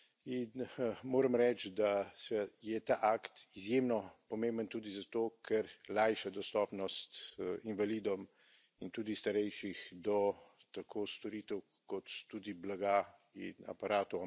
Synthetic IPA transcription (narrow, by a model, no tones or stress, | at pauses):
inmoːɾəmɾɛt͡ʃd̪asɛjɛt̪aːʔaːkt̪izjemnɔpɔmẽmbənt̪ud̪izat̪oːkʰɛɾlajʃad̪ɔst̪ɔːpnɔst̪invaliːd̪ɔm | int̪uːd̪ist̪aɾɛjʃixd̪ɔ | t̪akʰoːst̪ɔɾiːt̪əw | kɔt̪ːuːd̪iblaɡa | ḭnɐ̰paɾaːt̪ɔ